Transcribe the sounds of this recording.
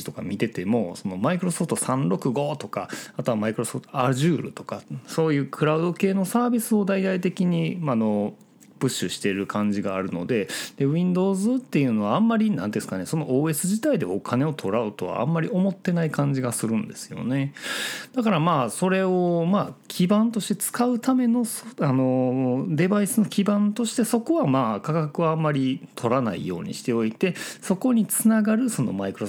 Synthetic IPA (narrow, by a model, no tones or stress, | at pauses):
it̪o̞ka̰mʲit̪e̞t̪e̞mo̞so̞no̞maikɯ̟ɾo̞so̞ɸt̪o̞sãnɾo̞kɯ̟ɡo̞ːt̪o̞ka̰at̪o̞amaikɯɾo̞so̞pt̪oaʑɯːɾɯ̟̰t̪o̞̥kaso̞ːjɯ̟ːkʰɯ̟ɾaɯd̪o̞ke̞ːno̞saːbʲisɨo̞d̪aid̪ait̪e̞kʲiɲ̟imano̞ | b̥ɯ̟ɕːɨɕi̥t̪e̞ɾɯ̟kʰãɲ̟d͡ʑiɡaːɾɯ̟no̞̰d̪e̞d̪̥e̞βĩnd̪o̞ːzɨt̪ːe̞jɯ̟ːno̞βaãmːaɾʲinãnd̪esɨ̥kane̞so̞no̞ʔoːe̞sɨʑit̪aid̪e̞̰o̞kʰane̞o̞t̪ʰo̞ɾaɯ̟t̪o̞βa̰a̰mːaɾʲio̞mo̞t̪ːe̞naikãɲ̟d͡ʑiɡasɨɾɯ̟̃nd̪e̞sɨ̥jo̞̰ne̞d̪̥akaɾamaːso̞ɾe̞o̞maːkʲʰibãnt̪o̞ɕi̥t̪e̞t͡sɨ̥kaɯ̟t̪ame̞no̞sano̞d̪e̞baisɨno̞kʲibãnt̪o̞ɕi̥t̪e̞so̞ko̞βamaːkakakɯ̟βaãmːaɾʲit̪ʰo̞ɾana̰ḭjo̞̰ːɲ̟ḭɕi̥t̪e̞o̞it̪e̞so̞ko̞ɲ̟it͡sɨnaɡaɾɯ̟so̞no̞̰maikɯ̟ɾo